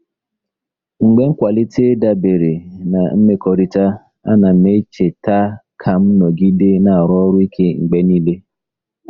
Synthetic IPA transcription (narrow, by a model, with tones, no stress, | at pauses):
ŋ͡m̩˨ɡ͡be˦ŋ̩˦kʷa˨li˦tʰe˦da˦be˨ɾe˨na˨m̩˦me˦kɔ˨ɾi˦ta˦ | a̰˦na˨me˦t͡ʃe˨ta˦kʰa˨m̩˦nɔ˨ɡi˦de˦na˨a˨ɾɔ˦ɾʊ˦i˦kʰe˦ŋ͡m̩˨ɡ͡be˦ni˦le˦